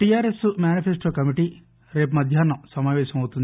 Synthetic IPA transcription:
ʈijaːɾesumjaːnipʰesʈoːkɐmiʈi | ɾe̞ːp̬umɐd̪ʱjaːnːɐmsɐmaːʋɛːʃɐmɐwt̪und̪

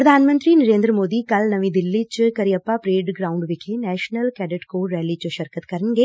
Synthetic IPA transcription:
pɾəd̪ʱaːnmə̃nt̪ɾiːnəɾẽːnd̪ɾəmoːd̪iːkəlnəʋĩːd̪ɪlːit͡ʃkəɾiəpːapɾeːɖɡɾaːʊɳɖʋɪkʰenɛːʃnəlkɛːɖəʈkoːɾɛːliːt͡ʃoʃəɾkət̪kəɾənɡeː

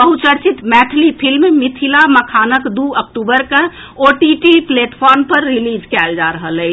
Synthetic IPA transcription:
bəɦut͡ʃəɽt͡ʃit̪mɛʈʰlipʰilmemit̪ʰilaməkʰanəkd̪uək̚ʈubəɾkə | oʈiʈipleʈpʰɔɾmpəɾːilid͡ʒkɛld͡ʒaɾəɦələɪt͡ʃʰ

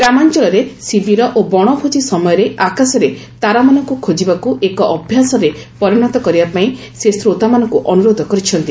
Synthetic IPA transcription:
ɡɾamant͡ʃɔlɔɾesibiɾɔʔobɔɽ̃ɔbʰʱot͡ʃisɔmɔjɔɾeʔakasɔɾe | t̪aɾamanɔ̃ŋkukʰod͡ʒibakuʔekɔʔɔbʱjasɔɾepɔɾiɽ̃ɔt̪ɔkɔɾibapaĩ | sesɾot̪amanɔ̃ŋkuʔɔnuɾod̪ʱɔkɔɾit͡ʃʰɔnt̪i

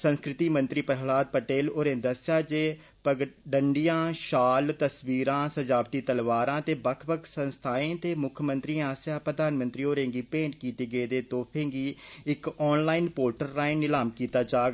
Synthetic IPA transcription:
sə̃nskɾɪt̪iːmənt̪ɾiːpɾɦlaːd̪̚pəʈeːloːɾẽːd̪əsjaːd͡ʒeː | pəɖəɳɖijãːʃaːlt̪əsʋiːɾãːsəd͡ʒaːpʈ̪iːt̪əlʋaːɾãːt̪eːbəkʰbəkʰsənst̪ʰaːẽːt̪eːmʊkʰjəmə̃nt̪ɾĩːaːsjaːpɾəd̪aːnmənt̪ɾiːoːɾẽːɡiːpẽːɳʈ̚kiːt̪iːɡəeːd̪eːt̪oːpʰẽːɡiːɪkɔːnlaːinpoːɾʈəɾːaːinːɪlaːmkiːt̪aːd͡ʒaːɡ

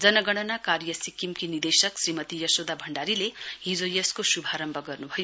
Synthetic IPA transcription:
d͡zʌnʌɡʌɽ̃ʌnakaɾjʌsikimkinid̪esʌksrimʌt̪ijʌsod̪abʱʌɳɖaɾileɦid͡zojʌskosubʱaɾʌmbʱʌɡʌrnubʱʌjo

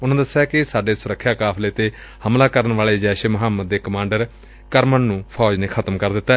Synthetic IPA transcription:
ʊnãːd̪əsːjaːkɪsaːɖeːsʊɾəkʰːjaːkaːpʰleːt̪eː | həmlaːkəɾənʋaːleːd͡ʒɛːʃeːməɦaːmːəd̪ːeːkəmãːɳɖəɾ | kəɾmənnũːpʰɔːd͡ʒnẽːkʰət̪əmkəɾd̪ɪt̪ːa

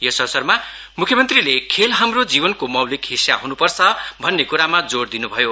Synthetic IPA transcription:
jʌsʌrsʌrma | mukʰjʌmʌnt̪rilekʰelɦamrod͡zibʌnkomʌwlikɦisja̰ɦunupʌrt͡sʰʌbʱʌnːekuɾamad͡zoɽd̪inubʱʌjo

